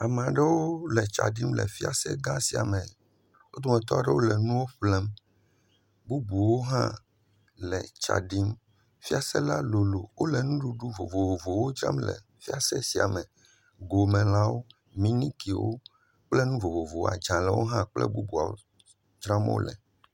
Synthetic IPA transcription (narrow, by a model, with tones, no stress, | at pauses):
a˨m̃˨a˨ɖɛ˦wo˦lɛ˨t͡ʃa̰˨ɖi˦mlɛ̰˨fi˦a̰˨sɛ˦ɡã˦si˨a̰˨mɛ̃˨ | wo˦d̪ɔ˦mɛ̃˨t̪ɔ˦a˨ɖɛ˦wo˦lɛ˨nũ˦wo˦ɸlɛ˦m | bu˦bu˨wo˦ɦã̰˦ | lɛ˨t͡ʃa̰˨ɖi˦m | fi˦a˨sɛ˦la˦lo˨lo̰˨wo˦lɛ˨nũ˦ɖu˦ɖu˦vo˨vo˨vo˨vo˨wo˦d͡ʒɾã̰˦mlɛ̰˨ | fi˦a˨sɛ˦si˨a˨mɛ̃˨ | ɡo˨mɛ̃˨la˦wo˦ | mĩ˦nĩ˦ki˨wo̰˦ | k͡plɛ˦nũ˦vo˨vo˨vo˨wo̰˦a̰˨d͡ʒã˨lɛ˨wo̰˦ɦã˦k͡plɛ̰˦bu˦bu˨a̰˨wo̰˦ | d͡ʒɾã˦mo̰˦lɛ̰˨